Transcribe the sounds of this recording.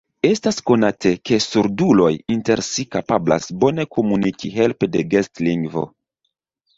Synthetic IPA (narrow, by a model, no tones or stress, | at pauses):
e̞stasko̞natʰe̞ke̞suɾdulo̞jinte̞ɾsikapabla̰sbo̞ne̞ko̞munikʰiɦe̞lpede̞ɡestliŋɡvo̞̰